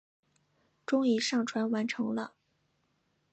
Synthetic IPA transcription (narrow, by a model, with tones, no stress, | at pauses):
ʈ͡ʂʊ˥ŋi˨˩ʂɑ˥˩ŋʈ͡ʂʰwa˧˥nwa˧˥nʈ͡ʂʰɤ˧˥ŋlə˧